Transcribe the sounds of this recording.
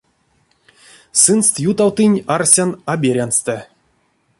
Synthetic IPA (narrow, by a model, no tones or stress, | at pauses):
sɨnst̪jut̪awt̪ɨnʲarsʲanabʲeɾʲanst̪ɛ